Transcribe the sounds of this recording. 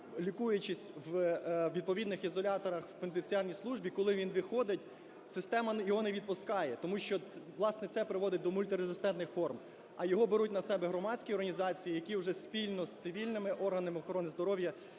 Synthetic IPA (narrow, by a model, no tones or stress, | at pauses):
lʲikujʊt͡ʃɪsʲwʋʲid̪̚pɔʋʲid̪nɪxizɔlʲɑt̪ɔɾɐxwpent̪enʲt͡sʲiɑrʲnʲijslˠuʒbʲikɔlˠɪʋʲinʋɪxɔd̪ɪtʲ | sɪst̪ɛmɐjɔɦɔnɛʋʲid̪̚pʊskɑjɛt̪ɔmuʃt͡ʃɔʋlˠɑsnɛt̪sɛpɾɪʋɔd̪ɪt̚ʲd̪ɔmʊlʲt̪ɪɾezɪst̪ɛnt̪nɪxfɔrm | ɐjɔɦɔbeɾut̚ʲnɐsɛbɛɦɾɔmɑdʲsʲkʲiɔrɦɐnʲizɑt͡sʲijijɐkʲiwʒɛspʲilʲnɔst̪sɪʋʲilʲnɪmɪʔɔrɦɐnɪmɪɔxɔɾɔnɪzd̪ɔɾɔwjɐ